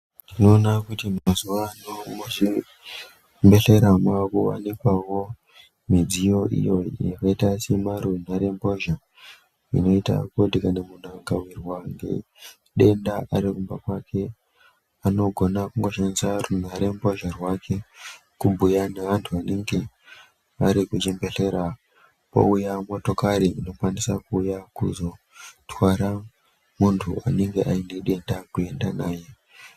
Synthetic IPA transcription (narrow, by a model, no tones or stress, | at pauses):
ntino̞ːnakutimazuʋanomui | mbe̞ɬe̞ɾamwakuwa̰nikwawo̞ | mid͡zijo̞ʔḭjojekaitasemaɾuen̤aɾe̞mbo̞ʒa | ḭno̞ita̰kodikanemun̤aŋɡawirwaŋɡḛ | ɗe̞ndaʔaɾirumbakwakʰe̞ | ano̞ɡʱo̞nakuŋɡo̞ʃanisarun̤aɾe̞mbo̞ʒarwakʰe̞ | kubʱujanaʋantʰuaneŋɡe̞ | ʋaɾikut͡ʃe̞mbe̞ɬe̞ɾa | po̞̰ujamo̞to̞kaɾiːno̞kwanisakuːjakṵzo̞ | twaɾa | muntʰua̰ne̞ŋɡe̞ʔaine̞ɗe̞ndakue̞ndanaːje̞